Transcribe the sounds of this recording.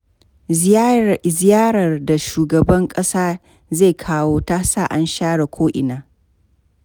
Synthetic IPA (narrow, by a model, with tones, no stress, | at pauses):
zɪ˦jaː˦ɾɐ˨rda˨ʃuː˨ɡɐ˨bɐ˦ŋkʼɐ˦saː˦ | ze˦˨kʰaː˦woː˦taː˦saː˦˨ʔa˦nʃaː˦ɽa˨kʷʰoː˦ʔɪ˨naː˨˦